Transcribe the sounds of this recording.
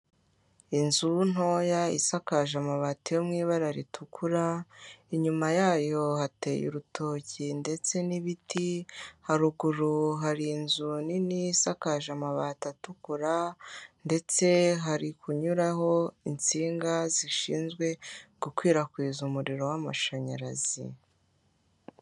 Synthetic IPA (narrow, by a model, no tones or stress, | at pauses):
inzun̥ho̞ːjaḭsakaʒamaβaːtijomŋiːβaɾaɾitʰukʰuɾaiɲumajaːjo̞hate̞̰jṵɾutʰoːcinde̞t͡se̞niβitʰihaɾuɡuɾuɦaɾinzuninisakaʒamaβatatukuɾande̞t͡se̞ɦaɾikʰuɲuɾaho̞int͡siːŋɡaziʃḭːnzɡwe̞ɡ̥ukwiːɾakwiːzumuɾiɾo̞wama̰ʃaɲa̰ɾazḭ